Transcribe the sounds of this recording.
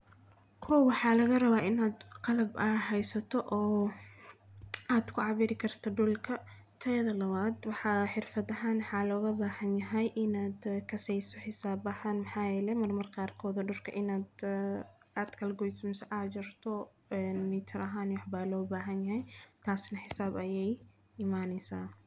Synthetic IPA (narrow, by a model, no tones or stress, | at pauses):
kʰɔwwɑħɑːlɐɣɐrɐβaːʔɪnaːd̪qɑlɐbʔɐɦɛjsɐt̪ʰɔʔɔː | aːd̪kʰʊʕɑβiːɾɪkʰɐrt̪ʰɐɖʊlkʰɐ | t̪ʰɐjɐðɐlɐβaːd̪wɑħɑħɪrfɐðɐɦaːnwħɑːlɔːɣɐbaːhɐnjɐɦɛjʔɪnaːd̪kʰɐsɛjsɔħɪsaːbɐhaːnmɐħaːjɛːlɛmɐrmɐrqɑːrkʰɔːðɔɖʊrkʰɐʔɪnaːd̪ | aːd̪kʰɐlɡɔjsmɪsɐʔaːt͡ʃɪrt̪ʰɔ | ɛnmɪːt̪ʰɪɾʔɐɦaːnwɑħbaːlɔːbaːɦɐnjɐɦɛjt̪ʰaːsnɐħɪsaːbɐjɛj | ɪmaːnɛsa̰ː